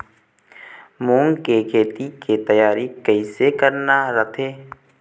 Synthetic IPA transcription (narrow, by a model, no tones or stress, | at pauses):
mũːŋɡkekʰeːt̪iket̪əjaːɾikəiːsekəɾnaɾət̪ʰeː